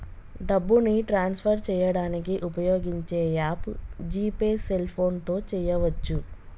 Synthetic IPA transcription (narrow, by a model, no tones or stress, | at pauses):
ɖɐbːuniʈɾaːnspʰɐɾt͡ʃɛːjɐɽaːnikiʔupɐjo̞ːɡiɲt͡ʃeːjaːpd͡ʒiːpeːselpʰo̞ːnt̪o̞ːt͡ʃɛːjɐʋɐt͡ʃːu